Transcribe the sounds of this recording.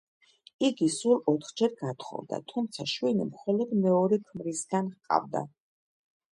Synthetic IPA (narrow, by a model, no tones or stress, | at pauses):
iɡisulˠɔt̪ʰχd͡ʒɛɾɡat̪χɔ̰vd̪a̰t̪ʰumt̪sʰaʃwinimχɔlɔd̪mɛɔɾɛkʰmɾisɡanhqʼa̰vd̪a̰